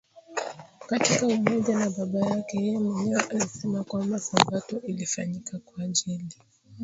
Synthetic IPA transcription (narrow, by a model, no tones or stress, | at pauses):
katikaumɔʄanaɓaɓajakɛjɛjɛmwɛɲɛwaʔalisɛmakwambasabatɔʔilifaɲikakwaʄili